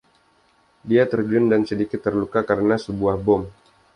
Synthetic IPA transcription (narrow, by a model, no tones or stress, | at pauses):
diat̪ərd͡ʒʊndansədikɪt̪ːərlukakaɾənasəbuahbɔm